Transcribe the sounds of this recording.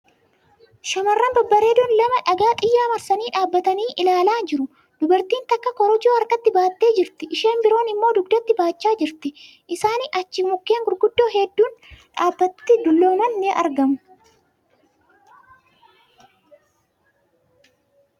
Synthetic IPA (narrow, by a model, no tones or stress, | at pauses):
ʃɐmɐrːɐnbɐbːɐɾeːd̪ʊnlɐmɐᶑɐɡaːt̪ʼɪjːaːmɐɾsɐniːᶑaːbːɐt̪ɐniːʔɪlaːlaːnd͡ʒɪɾʊ | d̪̥ʊbɐɾt̪iːnt̪ɐkːɐkɔɾɔd͡ʒoːɐɾkɐt̪ːɪbaːt̪ːe̞ːd͡ʒɪɾt̪ɪʔɪʃe̞ːmbɪɾo̞ːnɪmːo̞ːd̪ʊɡd̪ɐt̪ːɪbaːt͡ʃːaːd͡ʒɪɾt̪ɪ | ʔɪsaːnɪʔɐt͡ʃːɪmʊkːeːŋɡʊɾɡʊd̪ːo̞ːɦɛd̪ːuːnᶑaːbːɐt̪ːɪd̪ʊlːo̞ːmɐnːeʔɐɾɡɐmʊ